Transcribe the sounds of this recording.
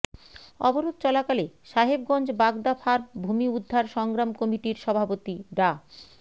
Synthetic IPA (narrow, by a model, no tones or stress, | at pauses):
ɔ̰boɾod̪̚t͡ɕɔlakaleʃaɦeb̚ɡɔnd͡ʑbaɡd̪afʰaɾbʱumiud̪ʱːaɾʃɔŋɡɾamkomiʈiɾʃɔbʱapot̪iɖa